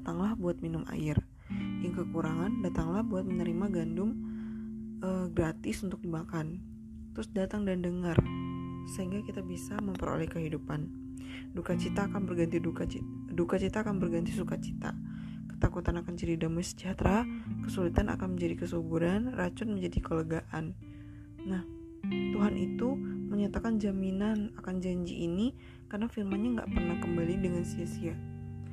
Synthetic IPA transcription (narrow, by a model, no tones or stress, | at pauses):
at̪aŋlahbuat̪̚minʊma̰jɪr | jaŋkəkuɾaŋandat̪aŋlahbuat̪̚mənəɾimaɡandʊm | ʔəɡɾat̪ɪsunt̪ʊk̚dimakan | t̪ɾʊsdat̪aŋdandəŋarsəɦiŋɡakit̪abisaməmpəɾo̰lɛhkəɦidupan | dukat͡ʃit̪aːkanbərɡant̪idukat͡ʃi | dukat͡ʃit̪aːkanbərɡant̪isukat͡ʃi̥t̪a̰ | kə̥t̪akut̪anakand͡ʒadidamasə̥d͡ʒat̪ɾakəsulit̪ana̰kanməɲd͡ʒadikəsubuɾanrat͡ʃʊt̪̚məɲd͡ʒadikələɡaʔan | nah | t̪uɦanʔit̪uməɲat̪akand͡ʒaminanakand͡ʒaɲd͡ʒḭʔini | karnafilmanɲaŋɡa̰ʔpərnahkəmbalidəŋansiasia